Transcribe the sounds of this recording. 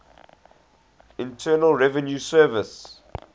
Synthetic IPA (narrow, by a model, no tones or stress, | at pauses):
ɪ̃ntʰɜːnəlˠɹɛvə̃njusɜːvəs